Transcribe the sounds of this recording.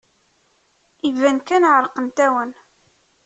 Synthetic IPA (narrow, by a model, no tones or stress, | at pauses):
ivænkænʕəɾˤqənt̪æwən